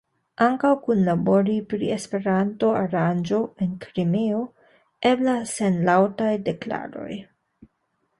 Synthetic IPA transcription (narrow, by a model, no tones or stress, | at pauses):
ʔaŋkawkunlabo̞ɾipɾiespe̞ɾanto̞aɾand͡ʒo̞enkɾimeo̞ | e̞blase̞nlawtajde̞kla̰ɾo̞̰j